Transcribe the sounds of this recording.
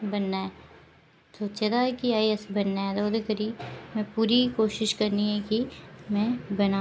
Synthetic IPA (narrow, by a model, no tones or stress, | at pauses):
bɐnːaɛ | soːt͡ʃed̪aɦɛkiaːiɐsbɐnːaɛd̪oːd̪ekəɾiːmɛ̃puːɾikoːʃɪʃkɐɾniɦɛkimɛ̃bɐna